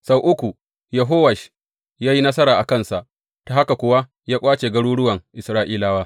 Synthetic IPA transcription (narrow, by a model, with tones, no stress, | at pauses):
sa˦wʔʊ˦kʷu˨ | jɐ˨ɦoː˦wɐ˨ʃ | jaː˦ji˦nɐ˦s̬ɐ˦ɾaː˨ʔa˨kɐ˦˨nsa˨ʔ | ta˨ha˦ka˨kʷʊ˨˦wa˦ | jaː˦kʷʼaː˦t͡ʃeː˨ɡɐ˦ɽuː˦ɽʊ˦wɐ˨ŋʔɪ˨sɾaː˦ʔiː˦laː˦waː˦